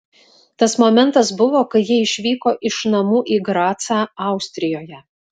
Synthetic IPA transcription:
t̪ɐsmomʲɛnt̪ɐsbʊʋoːkɐɪjiɛɪʃʲʋʲiːkoːʔɪʃnɐmuːʔiːɡɾɑːt̪sɑːɑˑʊsʲt̪ʲɾʲɪjoːjɛ

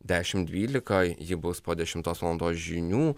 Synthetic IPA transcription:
d̪ʲæːʃʲɪmd̪ʲʋʲiːlʲɪkɐjɪbʊspoːd̪ʲɛʃʲɪmt̪oːsʋlˠɐnd̪oːsʒʲɪnʲuː

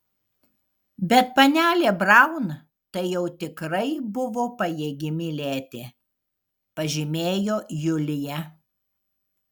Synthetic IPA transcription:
bʲɛt̪̚pɐnʲæːlʲeːbɾɐˑʊn | t̪ɐɪjɛʊt̪ʲɪkɾɐɪbʊʋoːpɐjeːɡʲɪmʲɪlʲæːt̪ʲeː | pɐʒʲɪmʲeːjoːjʊlʲɪjɛ

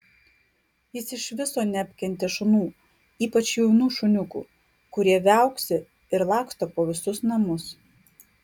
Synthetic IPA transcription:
jɪsɪʃʋʲɪsoːnʲɛɐpʲkʲɛnʲt̪ʲɛʃʊnuː | iːpɐt͡ʃjɔʊnuːʃʊnʲʊkṵː | kʊɾʲiɛʋʲæˑʊksʲɪ | ɪɾlˠɑˑkʃt̪ɐpoːʋʲɪsʊsnɐmʊs

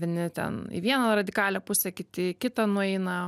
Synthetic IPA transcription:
ʋʲɪnʲɪt̪ʲɛ̰nḭʋʲiɛnɐrɐd̪ʲɪkɑːlʲɛpʊsʲɛkʲɪt̪ʲɪkʲɪt̪ɐnʊɛɪnɐ

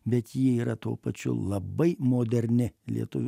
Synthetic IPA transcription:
bʲɛt̪jiɛiːɾɐt̪o̰ːpɐt͡ʃʲʊ̰lˠɐbɐɪmoːd̪ʲɛɾʲnʲɪlʲiɛ̰t̪ʊʋʲ

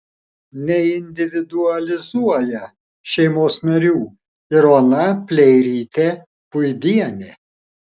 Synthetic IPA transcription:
nʲɛɪnʲd̪ʲɪʋʲɪd̪ʊɐlʲɪzuɔjɛ | ʃʲɛɪmoːsnɐɾʲuː | ɪɾoːnɐpʲlʲɛɪɾʲiːt̪ʲe | pʊjd̪ʲiɛnʲe

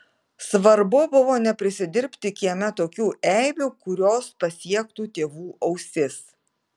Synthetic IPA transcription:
sʋɐɾbʊbʊʋoːnʲɛpʲɾʲɪsʲɪd̪ʲɪɾʲpʲt̪ʲɪkʲiɛmʲɛt̪oːkʲuːʔɛɪbʲuːkʊɾʲoːspɐsʲiɛk̚t̪uːt̪ʲeːʋuːʔɐʊsʲɪs

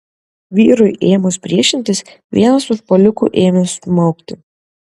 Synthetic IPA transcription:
ʋʲiːɾʊjʔeːjmʊspʲɾʲiɛʃʲɪnʲt̪ʲɪs | ʋʲiɛnɐsʊʃpɔlʲʊkṵːʔeːmʲɛsʊmɔʊkt̪ʲɪ

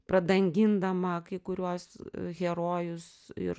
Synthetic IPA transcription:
pɾɐd̪ɐŋʲɡʲɪnd̪ɐmɐkɐɪkʊɾʲuɔsɣʲɛɾoːjʊs | ɪ̰r

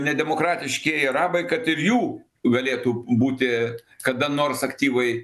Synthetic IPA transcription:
nʲɛd̪ʲɛmoːkɾɑːt̪ʲɪʃʲkʲeːɾɑːbɐɪkɐt̪ɪɾjuː | ɡɐlʲeːt̪uːbuːt̪ʲɪ | kɐd̪ɐnoːrsɐkt̪ʲiːʋɐɪ

